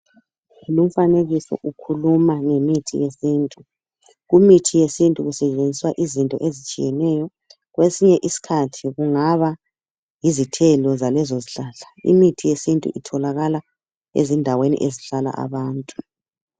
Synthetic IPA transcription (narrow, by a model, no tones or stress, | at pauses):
lum̩faneɣisɔ̰ʔukʰulumaŋemitʰḭjesiːntʼu | ɣumitʰijesintʼuɣusɛt͡ʃʼend͡zʱiswaʔizintʼɔ̰ʔezit͡ʃʼijɛnɛjɔ | ɣwesiɲɛʔisi̥kʰatʰiɣuŋaβa | jizitʰɛlɔzalɛzoziɬaːɮaḭmitʰijesintʼṵʔitʰɔlaɣala | ḛzindʱawenḭʔeziɬala̰ʔa̰βaːntʼu̥